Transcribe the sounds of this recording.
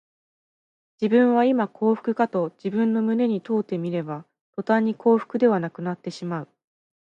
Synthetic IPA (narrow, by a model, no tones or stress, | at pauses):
d͡ʑibɯ̟̃ɰ̃βaimakʰo̞ːɸɯ̥kɯ̟kat̪o̞d͡ʑibɯ̟̃nːo̞mɯ̟ne̞ɲ̟it̪o̞ːt̪ːe̞mʲiɾe̞ba | t̪o̞t̪aɲ̟ːikʰo̞ːɸɯ̟̥kɯ̟d̪e̞β̞anakɯ̟nat̪ːe̞ɕimaɯ̟